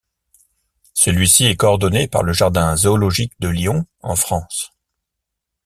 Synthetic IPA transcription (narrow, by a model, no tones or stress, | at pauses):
səlɥisiɛkɔɔʁd̪ɔnepa̰ʁləʒaʁd̪ɛ̃zoːlɔʒik̚d̪əljɔ̃ | ɑ̰̃fχɑ̃s